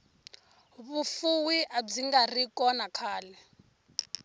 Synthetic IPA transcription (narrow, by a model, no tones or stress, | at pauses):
βufuwiʔab͡ʐiŋɡarikʼɔnakʰaːlɛ